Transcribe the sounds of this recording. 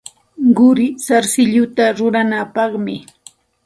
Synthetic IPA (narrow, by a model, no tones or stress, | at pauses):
ɢʊɾɪsaɾsɪʎʊt̪aɾʊɾanapɑχmɪ